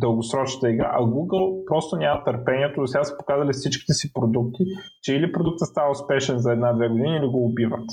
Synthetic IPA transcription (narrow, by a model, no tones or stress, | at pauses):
d̪əlˠɡosɾɔt͡ʃnə̥t̪əiɡɾa̰ʔɐɡuɡəlˠpɾɔst̪onʲamɐt̪əɾpɛniɛt̪od̪osʲasə̥po̥kazɐlifsit͡ʃki̥t̪ɛsipɾod̪uk̚t̪i | t͡ʃɛilipɾod̪uk̚t̪əst̪avɐʊspɛʃɛnzɐɛd̪nad̪vɛɡod̪iniiliɡoːbivə̰t̪